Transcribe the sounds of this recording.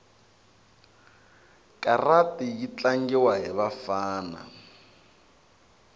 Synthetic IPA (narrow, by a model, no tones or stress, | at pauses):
kʼaratʼijit͡ɬaŋɡɛwaɦɛβafaːna̰